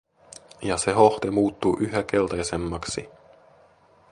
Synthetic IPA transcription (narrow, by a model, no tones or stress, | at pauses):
jɑse̞ɦo̞ht̪emuːt̪ːuʔyɦøk̟e̞lt̪ɑjse̞mːɑksi